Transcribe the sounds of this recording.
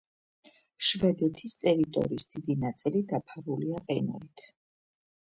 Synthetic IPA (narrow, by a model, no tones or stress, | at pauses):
ʃvɛd̪ɛt̪ʰist̪ʼɛɾit̪ʼɔ̰ɾiːsd̪̥id̪inat̪sʼilid̪apʰaɾuliaqʼɛnṵlit̪ʰ